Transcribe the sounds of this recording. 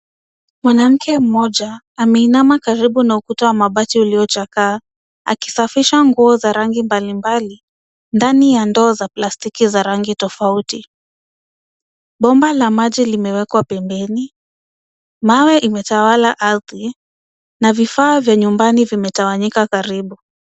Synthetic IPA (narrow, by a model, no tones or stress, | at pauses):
mwanam̩kʰɛm̩mɔʄaː | mɛinamakaɾiɓunaukutawamaɓatiuliɔt͡ʃakaː | a̰ki̥safiʃaŋɡuɔzaɾaŋɡimbalimbali | ndanijandɔːzaplastikizaɾaŋɡitɔfauti | ɓɔmbalamaʄilimɛwɛkwapɛmbɛni | mawɛʔimɛtawalaʔaɾði | navifaːvjaɲumbanivimɛtawaɲikakaɾiɓu